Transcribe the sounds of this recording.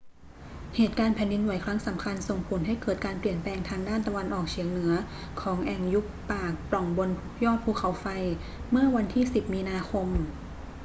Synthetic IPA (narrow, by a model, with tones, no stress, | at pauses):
heː˨˩t̪̚kaː˧npʰɛː˨˩ndi˧nwa˩˦jkʰɾa˦˥ŋsa˩˦mkʰa˧nso˨˩ŋpʰu˨˩˦nɦa˥˩jkɤː˨˩t̪̚kaː˧npli˨˩ənplɛː˧ŋt̪ʰaː˧ŋdaː˥˩nt̪a˧wa˧nʔɔː˨˩k̚t͡ɕʰi˩˦əŋnɯ˩˦ɐ | kʰɔː˩˦ŋʔɛ˨˩ŋju˦˥k̚paː˨˩k̚plɔ˨˩ŋbo˧n | jɔː˥˩t̪̚pʰuː˧kʰa˨˦wfa˧j | mɯ˥˩ɐwa˧nt̪ʰiː˥˩si˨˩p̚miː˧naː˧kʰo˧m